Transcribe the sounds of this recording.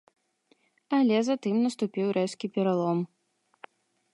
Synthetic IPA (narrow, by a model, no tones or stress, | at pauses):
ɐlʲɛzɐt̪ɨmnɐst̪upʲiwɾɛskʲipʲɛɾalˠɔm